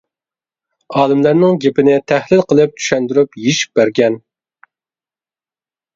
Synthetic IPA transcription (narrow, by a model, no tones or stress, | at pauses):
ɑːlˠɨmlæɾnɪŋɡʲepɪnɪt̪ʰæhlɪlqʰəlˠɨp̚t͡ʃ̪ʰy̥ʃɛnd̪yɾypjeʃi̥p̚bæɾɡʲɛn